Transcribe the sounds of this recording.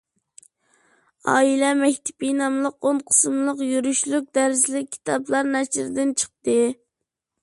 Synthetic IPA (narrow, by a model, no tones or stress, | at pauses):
ɑ̰ːilɛmɛkʲt̪ʰɪ̥pinɑmlˠəqonqʰə̥smlˠəqjyɾyʃlˠyk̚ʲd̪æɾzlɪk̚ʲʰːi̥t̪ʰɑblˠɑɾnæʃɾd̪ɪnt͡ʃʰə̥q̚t̪ɨ